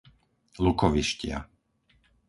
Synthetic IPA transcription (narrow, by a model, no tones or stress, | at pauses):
lukɔʋiʃcɪa̰